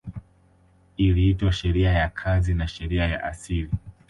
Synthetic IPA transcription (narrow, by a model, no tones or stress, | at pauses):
iliitwaʃɛɾiajakʰazinaʃɛɾiaja̰ʔa̰sili